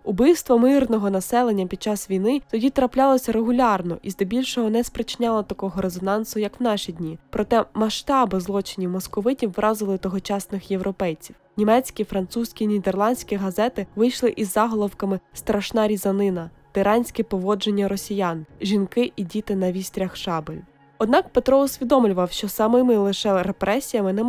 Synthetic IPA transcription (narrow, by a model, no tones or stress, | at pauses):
ʊbɪjst̪ʋɔmɪrnɔɦɔnɐsɛlˠe̞nʲːɐpʲid̪̚t͡ʃɑsʋʲijnɪt̪ɔdʲit̪ɾɐplʲɑlˠɔsʲɐɾeɦʊlʲɑrnɔ̰ʔizd̪ɔbʲilʲʃɔɦɔnɛspɾet͡ʃɪnʲɑlˠɐt̪ɐkɔɦɔɾezɔnɑnsʊjɐkwnɑʃid̪ʲnʲipɾɔt̪ɛmɐʃt̪ɑbɪzlˠɔt͡ʃɪnʲiwmɔskɔʋɪtʲiwːɾʔɑzɪlˠɪt̪ɔɦɔt͡ʃɑsnɪxje̞wɾʔɔpɛjt͡sʲiw | nʲimɛt͡sʲkʲifɾɐnt̪susʲkʲinʲid̪erlˠɑnʲdʲsʲkʲiɦɐzɛt̪ɪʋɪjʃlˠɪʔizːɑɦɔlˠɔwkɐmɪst̪ɾɐʃnɑɾʲizɐnɪnɐ | t̪ɪɾɑnʲsʲkɛpɔʋɔd͡ʒenʲːɐɾɔsʲijanʒʲinkɪʔidʲit̪ɪnɐʋʲisʲt̪ʲɾʲɐxʃɑbɪlʲ | ɔd̪nɑkpet̪ɾɔʊsʲʋʲid̪ɔmlʲʊʋɐwʃt͡ʃɔsɐmɪmɪlˠɪʃɛɾepɾɛsʲijɐmɪnɛm